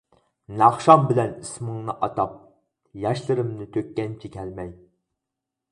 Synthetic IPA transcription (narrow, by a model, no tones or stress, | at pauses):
nɑχʃɑmbɪlɛnismɨŋnɨʔɑt̪ɑp̚ | jɑʃlˠɨɾɨmnɨt̪ʰøkʲːɛnt͡ʃʰɛkʲɛlmɛj